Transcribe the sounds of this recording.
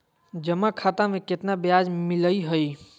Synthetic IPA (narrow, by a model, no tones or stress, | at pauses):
d͡ʒəmakʰat̪ameket̪nabjad͡ʒmiləjɦəj